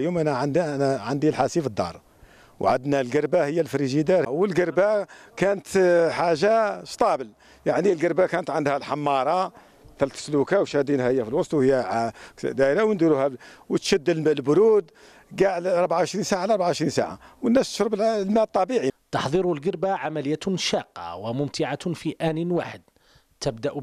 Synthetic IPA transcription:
jumʔænæʕd̪næʕand̪ilħasifəd̪ːɑ̰ɾˤ | wʕad̪nælɡəɾˤbahəjːælfɾiʒid̪ɑɾwəlɡəɾˤbakænət̪ħaʒaʃt̪ˤɑbəl | jaʕnilɡəɾbakænət̪ʕand̪hælħamːɑɾˤɑ | t̪ælt̪ə̥slukæwʃhæd̪inhæhəjːæfilwɑsˤt̪ˤwhəjːækd̪æɾawənd̪iɾuhæwət̪ʃæd̪ːəlməlbʊɾud̪ | ɡaʕlɑɾˤbʕaʕəʃɾinsaʕalʔɑɾbaʕaʕəʃɾinsa̰ʕa̰wənːæst̪ə̥ʃɾəblmæt̪ˤːɑbiʕit̪ɑħðˤiɾulɡəɾbaʕamæləjːætʃɑqːɑ̰wəmʊmt̪ɪʕafiʔænənwaħəd̪ | t̪əbd̪æʔ

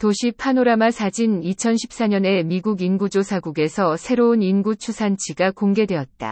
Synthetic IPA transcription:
toɕʰipʰanoɾamasʰad͡ʑinit͡ɕʰʌnɕʰi̥p̚s͈aɲʌne̞miɡuɡinɡud͡ʑosʰaɡuɡe̞sʰʌsʰe̞ɾouninɡut͡ɕʰusʰant͡ɕʰiɡakoŋɡe̞dwe̞ʌtt̚t͈a̰

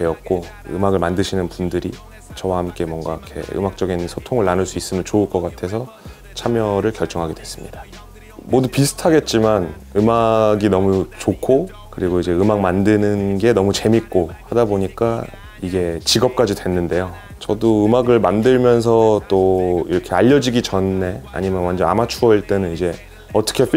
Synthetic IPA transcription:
te̞ʌt̚k͈o | ɯ̰maɡɯɭmandɯɕʰinɯnpundɯɾi | t͡ɕʌwahamk͈e̞mwʌŋɡaikʰe̞̰ɯ̰mak̚t͡ɕ͈ʌɡinsʰotʰoŋɯɭːanɯɭs͈uis͈ɯmjʌnt͡ɕouɭk͈ʌk͈atʰe̞sʰʌ | t͡ɕʰamjʌɾɯɭkjʌɭt͡ɕ͈ʌŋɦaɡe̞dwe̞s͈ɯmɲid̥a | modupisʰɯ̥tʰaɡe̞t̚t͡ɕ͈iman | ɯmaɡinʌmut͡ɕokʰo | kɯɾiɡoid͡ʑe̞ɯmak̚mandɯnɯnɡe̞nʌmut͡ɕe̞mik̚k͈ohadaboɲik͈a | iɡe̞t͡ɕiɡʌp̚k͈ad͡ʑidwe̞nːɯnde̞jo | t͡ɕʌdoɯmaɡɯɭmandɯɭmjʌns̬ʰʌt͈oiɾʌkʰe̞aʎːʌd͡ʑiɡit͡ɕʌnːe̞a̰ɲimjʌnwand͡ʑʌna̰mat͡ɕʰuʌiɭt͈e̞nɯnid͡ʑe̞ | ʌt͈ʰʌ̥kʰe̞p

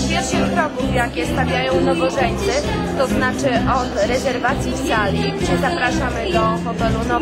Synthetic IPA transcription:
vʲjɛt̪ʃɨkɾɔkufjakʲɛst̪avʲjajɔ̃w̃nɔvɔʐɛɲt̪sɛɘ | t̪ɔznat͡ʂɘʔɔt̪ɾɛzɛɾvat̪sʲjifsalʲipʂɛzapɾaʂamɘd̪ɔmɔpɛlunɔ

